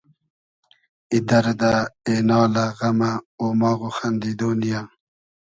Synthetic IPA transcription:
id̪ɐɾd̪aeːnɑːlaɣamaoːmaːɣuxand̪id̪oːnija

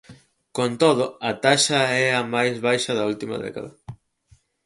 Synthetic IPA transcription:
kont̪oðʊɐt̪aʃɐɛɐmajzβajʃɐðɐult̪imɐ̰ðɛ̰ka̰ðɐ

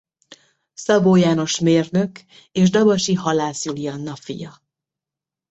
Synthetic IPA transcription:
sɒboːjaːno̞ʃmeːrnø̞k | eːʒd̪ɒbɒʃiɦɒlaːsulijɒnːɒfḭjɒ

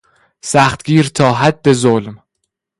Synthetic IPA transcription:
sæxt̪ɡ̥iːɾt̪ʰɒːɦæd̪ːe̞zolm

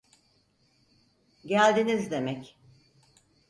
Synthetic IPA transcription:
ɟælʲd̪inizd̪e̞mɛc

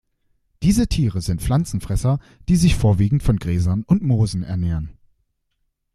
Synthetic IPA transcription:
d̥iːzətʰiːʁəzɪntflant͡sn̩fʁ̥ɛsɐ | d̥iːzɪçfoːɐviːɡŋ̩tfɔnɡʁɛːzɐnʊntmoːzn̩ɛ̰ɐneːʁɐn

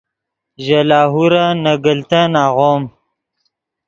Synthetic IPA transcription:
ʒalɑːɦuɾanaɡəlt̪anaɣom

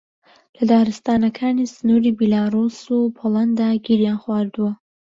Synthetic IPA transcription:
lɐd̪aːɾɨst̪aːnɐkʰaːnisɨnuːɾiːbilaːɾusupʰolˠand̪aɡiɾjanxwaːɾd̪uwɐ

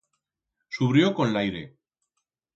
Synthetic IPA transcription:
suβɾjo̞kõ̞nlajɾe̞̰

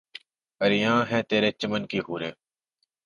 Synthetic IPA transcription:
əɾɪjãːɦɛ̃ːt̪eːɾeːt͡ʃəmənkiːɦuːɾeː

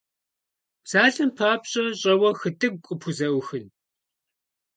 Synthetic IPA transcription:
z̥aːɮɨmpʰaːpɕʼɐɕʼɐwɐxɨtʰʼɨkʷʼʊpʰuzɐʔʷʊxɨn

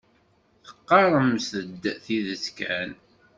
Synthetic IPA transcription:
θə̥qːɑɾˤəmsθəd̪ːθiðəskæn

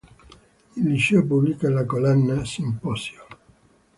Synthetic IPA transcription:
ilːiʃeop̬ublikalakolɛnːasimpɔsjo

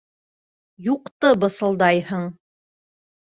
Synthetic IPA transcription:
juqt̪ɤbɤ̆sɤ̆lˠd̪ɑjhɤɴ

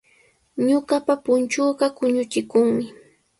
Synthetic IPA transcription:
ɲʊɢapapʊnt͡ʃʊːɢɑkʊɲʊt͡ʃɪkʊŋmɪ

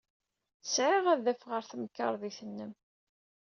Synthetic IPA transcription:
sʕiʁæðæfʁəɾθməkːə̰ɾˤðiθənːəm

